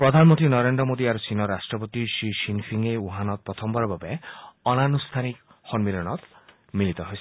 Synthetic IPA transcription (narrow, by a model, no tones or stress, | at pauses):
pɾɔd̪ʱanmɔnt̪ɾinɔɾend̪ɾɔmod̪iaɾusinɔɾasʈɾɔpɔt̪iʃiʃinpʰiŋeuɦanɔt̪̚pɾɔt̪ʰɔmbɔɾɔbabeɔnanust̪ʰanik | xɔnmilɔñɔt̪ | milit̪ɔɦojsʰi̥